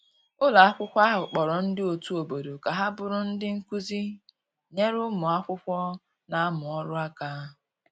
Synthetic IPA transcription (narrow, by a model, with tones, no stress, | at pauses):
ʊ˦la˨a˦kʷʊ˦kʷa˦ɦʊ˨k͡pɔ˨ɾɔ˨n̩˦dɪ˦o˨tu˦o˨bo˨do˨ka˨ɦa˦bʊ˨ɾʊ˦n̩˦dɪ˦ŋ̩˦ku˦zi˦ | ɲe˦ɾʊ˦mʊ˨a˦kʷʊ˦kʷɔ˦ | na˨a˦mʊ˨ɔ˦ɾʊ˦a˦kaː˦˨